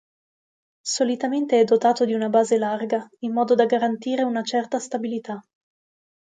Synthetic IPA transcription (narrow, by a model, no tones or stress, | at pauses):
solit̪ament̪eɛd̪ːot̪aːt̪od̪iunabaːzelarɡaimːɔːd̪od̪aɡaɾant̪iːɾeunat͡ʃɛrt̪ast̪abilit̪a